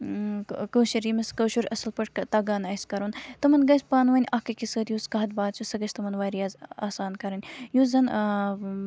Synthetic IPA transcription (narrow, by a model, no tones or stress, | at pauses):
kəːʃɐɾimɐskɐːʃuɾʲʔɐsɐlpɐʈkɐt̪ɐɡaːnɐskɐɾunt̪ɐmɐnɡɐsʲpaːnʋɐnʲʔɐhkɐkʲisəːt̪juːskɐɦɐt̪̚baːd̪t͡ʃʰusɐɡɐt͡ʃʰʲt̪ɐmɐnʋaːɾijaːzaːsaːnkɐɾɐnʲjuːzɐn